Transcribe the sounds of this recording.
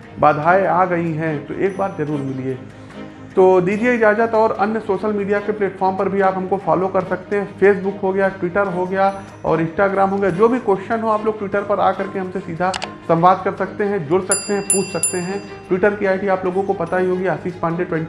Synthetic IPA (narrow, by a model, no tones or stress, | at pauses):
baːd̪ʱaːeaːɡɐiɦɛ̃t̪o̰ʔeːk̚baːɾzɐɾuːɾmɪlieː | t̪oːd̪iːd͡ʒieɪd͡ʒaːd͡ʒət̪ɔːɾɐ̰njəsoːʃəlmiːɖijakepleːʈfɔːɾmpɐɾbʱiaːpɦɐmkofaːlokɐɾsɐkt̪eɦɛ̃feːsbʊkɦoɡɐjaʈwɪʈəɾɦoɡɐja | ɔ̰ːɾɪ̃nsʈaːɡɾaːmɦoːɡɐjad͡ʒoːbʱikoːʃɪʃənɦoaːploːɡ̚ʈwɪʈəɾpɐɾa̰ːkɐɾkeɦɐmsesiːd̪ʱasɐ̃m̃ʋaːd̪̚kɐɾsɐk̚t̪eɦɛ̃d͡ʒʊɽsɐk̚t̪eɦɛ̃puːt͡ʃʰsɐk̚t̪eɦɛ̃ | ʈwɪʈəɾkiaːɪʈiaːploːɡõkopɐt̪aɦiɦoːɡiɐsiːspãːɳɖeʈwɛ̃ɳʈi